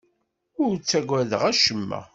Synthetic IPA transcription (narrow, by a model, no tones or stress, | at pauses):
ʊɾt͡sːæɡʷæðəʁæʃəmːæ̰